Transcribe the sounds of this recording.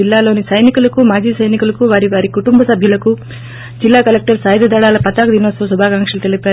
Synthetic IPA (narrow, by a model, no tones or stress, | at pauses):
ilːaːlo̞ːnisɐjnikulɐkumaːd͡ʒiːsɐjnikulɐkuʋaːɾiʋaːɾikuʈumbɐsɐbʱjɐlɐku | d͡ʒilːaːkɐlek̚ʈɐɾsaːjd̪ɐd̪ʱɐɭaːlɐpɐt̪aːkud̪inosɐːs̬ubʱaːkaːŋkʂɐlut̪elipaː